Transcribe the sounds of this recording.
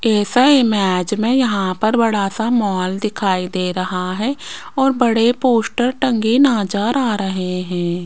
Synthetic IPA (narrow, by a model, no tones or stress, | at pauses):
ɛːsaɪmɛːd͡ʒmẽjɐɦãpɐɾbɐɽasamɔːld̪ɪkʰaːid̪eːɾɐɦaɦɛ̃ː | ɔːɾbɐɽepoːsʈəɾʈə̃ŋɡinaːd͡ʒaːɾaːɾɐɦeɦɛ̃ː